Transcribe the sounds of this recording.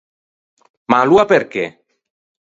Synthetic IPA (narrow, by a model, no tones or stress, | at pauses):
maluapeɾkḛ